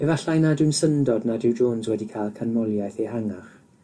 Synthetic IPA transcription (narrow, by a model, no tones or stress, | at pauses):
ɛvaɬajnadɪnsəndɔdnadɪwd͡ʒoːnzwɛdikʰalˠkʰanmɔlˠjajθehaŋaχ